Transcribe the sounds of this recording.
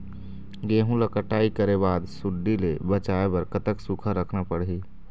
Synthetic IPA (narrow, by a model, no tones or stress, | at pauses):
ɡeːɦũlakəʈaːikəɾebaːd̪sʊɖːilebət͡ʃaːebɐɾkət̪əksukʰəɾəkʰnapəɽɦiː